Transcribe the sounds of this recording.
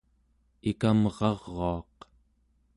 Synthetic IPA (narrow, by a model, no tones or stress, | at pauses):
ikamʁɑʁːoɑq